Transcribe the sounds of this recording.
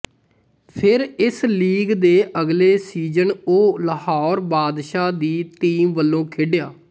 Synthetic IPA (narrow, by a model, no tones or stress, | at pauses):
pʰɪɾɪsliːɡd̪eːʔəɡleːsiːd͡ʒənoːləhaːɾbaːd̪ʃaːd̪iːʈiːmʋəlːõːkʰɪɖɪjaː